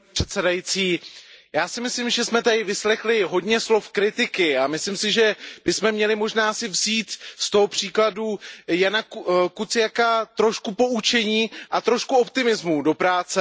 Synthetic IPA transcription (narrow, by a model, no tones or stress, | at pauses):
pr̥ɛt̪sɛdajit͡siːjaːsɪmɪslɪmʒɛsmɛt̪adɪvɪslɛxlɪɦo̞dɲɛslo̞fkɾɪt̪ɪkɪamɪslɪmsɪʒɛb̥ɪsmɛmɲɛlɪmoʒnaːsɪvziːt̪st̪o̞ɦopr̝̥iːkladujanakutt͡sɪjakat̪ɾoʃkupo̞ut͡ʃɛɲiːʔat̪ɾo̞ʃkuopt̪ɪmɪzmudo̞pɾaːt͡sɛ